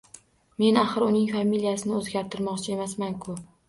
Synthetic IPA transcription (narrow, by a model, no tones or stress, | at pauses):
me̞naχɨɾʊnɪŋfamilijasɪnɪozɡʲaɾt̪ʰɪɾmɒqt͡ʃʰae̞masmankʰʊ